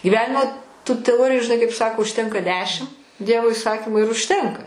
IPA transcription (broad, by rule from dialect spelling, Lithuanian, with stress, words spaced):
ɡʲiːˈʋʲæːnʲɪmoː tuː tʲɛˈoːrʲɪjʊ ʒʲɪˈnɐɪ kɐɪp ˈsɑːkoː ʊʃʲˈtʲɛŋkɐ ˈdʲæːʃʲɪm ˈdʲiɛʋoː ɪˈsɑːkʲɪmʊ ɪr ʊʃʲˈtʲɛŋkɐ